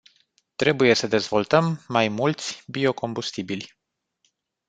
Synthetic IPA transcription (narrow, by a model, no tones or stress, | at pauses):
t̪ɾe̞buje̞səd̪e̞zvo̞lt̪əmːajmult̪sʲbio̞ko̞mbust̪ibilʲ